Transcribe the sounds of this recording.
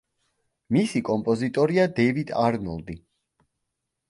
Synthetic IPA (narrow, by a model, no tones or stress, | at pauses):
misikʼɔmpʼɔzit̪ʼɔɾiad̪ɛvid̪ʰaɾnɔlˠd̪i